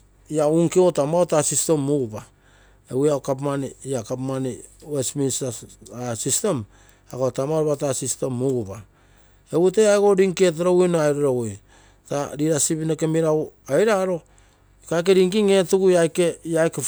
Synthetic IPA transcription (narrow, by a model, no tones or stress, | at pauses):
iauŋkeotamaotasiste̞mːuɡuba | ewuakap̬maniakapmaniwesminsaasistem | aɡotamaɾoβatasistemːuɡupa | ewutejajɡo̞ɾiŋket̬aɾowinoajɾoɾowoj | taɾiɾasibinokemiɾawajɾaɾo̞ | kajk̬eɾiŋkiŋe̞tuɡuajkejajke